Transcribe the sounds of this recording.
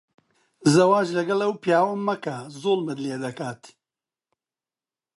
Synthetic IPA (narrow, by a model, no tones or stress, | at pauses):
zɐwaːʒlɐɡɐlɐwpjaːwɐmɐkɐzoːlˠmɨd̪leːd̪ɐkaːt̪